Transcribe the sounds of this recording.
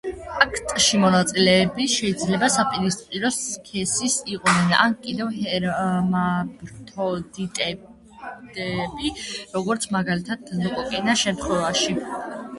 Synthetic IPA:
akʰt̪ʼʃimɔnat̪sʼilɛːbiʃɛid̪zlɛbasapʼiɾispʼiɾɔskʰɛsisiqʼnɛna̰nkʼid̪ɛvhɛɾmabɾt̪ʰɔd̪it̪ʼɛ | d̪ɛbiɾɔɡɔɾt̪sʰmaɡalit̪ʰad̪̚zɔkʼɔkʼɛnaʃɛmt̪ʰχwɛvaʃi

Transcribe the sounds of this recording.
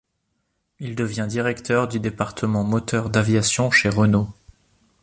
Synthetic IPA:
ild̪əvjɛ̃d̪iʁɛkt̪ʰœʁd̪yd̪epaʁt̪ʰəmɑ̃mɔt̪œʁd̪avjasjɔ̃ʃeʁəno

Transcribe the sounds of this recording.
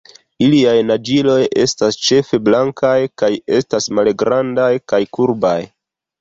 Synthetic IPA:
iliajnad͡ʒilo̞je̞̰stast͡ʃe̞fe̞blaŋkajkaje̞stasmalɡɾandajkajkuɾbaj

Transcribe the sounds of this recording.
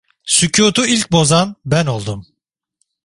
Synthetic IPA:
sycʰuːt̪ʰuilʲc̚bo̞zanbæno̞lˠd̪um

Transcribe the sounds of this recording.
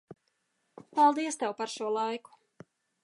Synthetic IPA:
palˠd̪iɛst̪ɛwpaɾʃuɔlˠajku̥

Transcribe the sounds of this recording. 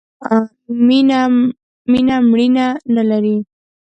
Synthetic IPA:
a | mina | minamɽinanalaɾi

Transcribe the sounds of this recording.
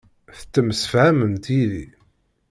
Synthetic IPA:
θə̥t͡sːəmsə̥fhæmənt̪iðḭ

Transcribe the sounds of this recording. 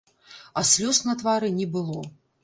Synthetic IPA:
ɐsʲlʲɔsnɐt̪vaɾɨnʲɛbɨlˠɔ

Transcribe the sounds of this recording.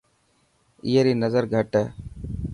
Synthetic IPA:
iːeɾiːnəzəɾɡʱəʈɛː

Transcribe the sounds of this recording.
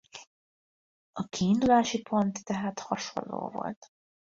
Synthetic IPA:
ɒkiːnd̪ulaːʃipʰo̞nt̪ːɛɦaːt̪hɒʃo̞̰nlo̰ːvo̞̰lt̪

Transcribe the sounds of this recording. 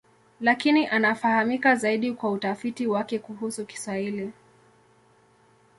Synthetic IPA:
lakiniʔanafahamikazaiɗikwautafitiwakɛkuɦusuki̥swahili

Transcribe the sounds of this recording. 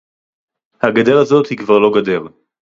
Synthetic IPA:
haɡad̪eʁazo̞t̪hikvaʁlo̞ɡad̪eʁ

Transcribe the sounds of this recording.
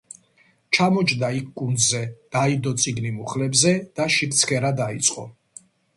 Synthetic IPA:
t͡ʃʰamɔt͡ʃʰd̪aikʰkʼund̪zɛd̪̥aid̪ɔt̪sʼiɡnimuχlɛbzɛd̪̥aʃip̚ʰt̪sʰkʰɛɾad̪ait̪sʼqʼɔ̰

